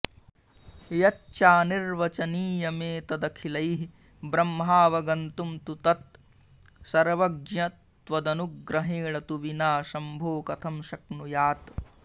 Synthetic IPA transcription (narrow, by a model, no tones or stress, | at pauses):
jɐt͡ʃːt͡ʃaːniɾʋɐt͡ʃɐniːjɐmeːt̪ɐd̪ɐkʰilɐjɦi | bɾɐmːɦaːʋɐɡɐnt̪umt̪ut̪ɐt̪̚ | sɐɾʋɐɡ̚ɲɐt̪ʋɐd̪ɐnuɡɡɾɐɦeːɭɐt̪uʋinaːʃɐmbʱoːkɐt̪ʰɐmʃɐknujaːt̪